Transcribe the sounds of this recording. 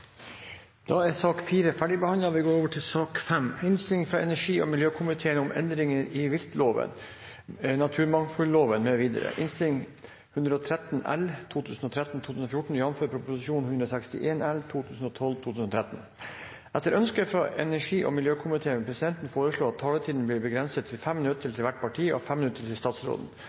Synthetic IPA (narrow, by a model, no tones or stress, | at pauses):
d̪̥ɑɛɾsɑːkfiːɾəfæɖɪbəhɑnlɑʋɪɡoːɾoːʋəʈʰɪlsɑːkfɛmɪnst̪ɪlɪŋfɾɑɛnæʂiːɔ̰mɪljøːkʰʊmɪt̪ʰeːənʊmɛ̰nd̪ɾɪŋəɾɪʋɪlt̪loːʋə̰n | nɑt̪ʰʉːɾmɑŋfʉlːoːʋənmɛʋiːd̪ə̰ɾə̰ʔɪnst̪ɪlɪŋ | hʉnd̪ɾəɔt̪ʰɾɛt̪nɛ̰lt̪ʰuːt̪ʰʉːsn̩ɔt̪ʰɾɛt̪n̩t̪ʰuːt̪ʉːsn̩ɔfjʊʈɳ̩jɑnɔmføːɾpʰɾʊpʊsɪʃuːnhʉnɾɔsɛkst̪ɪ̰ʔeːnɛlt̪ʰuːt̪ʰʉːsn̩ɔt̪ʰɔlt̪ʰuːʉːsn̩ɔt̪ʰɾɛt̪n̩ | ʔɛt̪ːəɾʔœnskəfɾɑʔɛnæʂiːʔɔ̰mɪljøːkʰʊmɪt̪ʰeːənpʰɾɛsɪd̪ɛnt̪n̩foːɾəʂɭoːɑt̪ʰːɑːlət̪ʰiːd̪n̩blɪːɾbəɡɾɛnsət̪ʰːɪlfɛmːɪnʉt̪ət̪ʰɪlt̪ʰɪlʋæʈ̚pʰɑʈʰiːɔ̰fɛmɪnʉt̪əlʰɪlst̪ɑːt̪sɾo̰ːd̪n̩